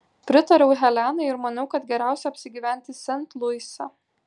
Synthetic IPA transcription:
pʲɾʲɪt̪ɐɾʲɛʊɦʲɛlʲænɐɪɾmɐnɐʊkɐt̪ɡʲɛɾʲæˑʊsʲɛɐpʲsʲɪɡʲiːʋʲæˑnʲt̪ʲɪsʲɛnt̪lˠʊɪsʲɐ

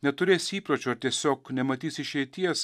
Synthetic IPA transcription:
nʲɛt̪ʊɾʲeːsʲiːpɾoːt͡ʃʲuɐɾt̪ʲiɛsʲoːknʲɛmɐt̪ʲiːsʲɪʃʲɛɪt̪ʲiɛs

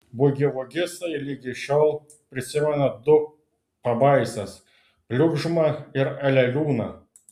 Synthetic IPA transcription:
bʊɡʲɪʋʊɡʲɪst̪ɐɪlʲiɡʲɪʃʲoːlˠ | pʲɾʲɪsʲɪmʲɛnɐd̪ʊ | pɐbɐɪsʲɛs | pʲlʲʊɡʒʊmɐɪɾɛlʲɛlʲuːnɐ

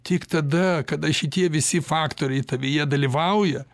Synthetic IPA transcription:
t̪ʲɪkt̪ɐd̪ɐkɐd̪ɐʃʲɪt̪ʲiɛʋʲɪsʲɪfɑːkt̪oːɾʲɛɪt̪ɐʋʲijiɛd̪ɐlʲiʋɐʊjɛ

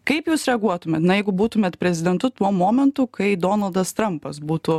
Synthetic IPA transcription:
kɐɪpjuːsɾʲɛɐɡuɔt̪ʊmʲeːt̪nɐjɛɪɡʊbuːt̪ʊmʲeːt̪pʲɾʲɛzʲɪd̪ʲɛnt̪ʊt̪uɔmoːmʲɛnt̪uːkɐɪd̪oːnɐlˠd̪ɐst̪ɾɐmpɐsbuːt̪uː

